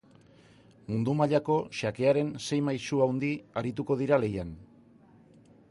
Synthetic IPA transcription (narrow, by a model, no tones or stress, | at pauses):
mund̪umaʎako̞ʃake̞aɾe̞nse̞jmajsuawnd̪iaɾit̪̬uko̞ð̞iɾale̞jan